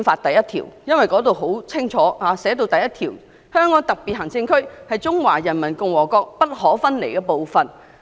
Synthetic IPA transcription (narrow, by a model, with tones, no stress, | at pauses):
nfaː˧t̚t̪ɐ˨jɐ˥t̪ʰḭː˨˩wjɐ˥nwɐ˨jkɔː˨˥t̪o˨˧wɦo˨˥wt͡sʰɪ˥ŋt͡ʃʰɔː˨˥haː˨˧sɛː˨˥t̪̬o˧wt̪ɐ˨jɐ˦˥t̪ʰiː˨˩w | hœː˥ŋkɔː˨˥ŋt̪ɐ˨k̚piː˨t̚hɐ˨˩ŋt͡sɪ˧ŋkʰɵ˥ɥhɐ˨jt͡sʊ˥ŋwaː˨˩jɐ˨˩nmɐ˨˩nkʊ˧ŋwɔː˨˩kɔː˧k̚pɐ˥t̚ɦɔː˨˥fɐ˥nlḛ˨˩jkɛ˧po˨˧wfɐ˨n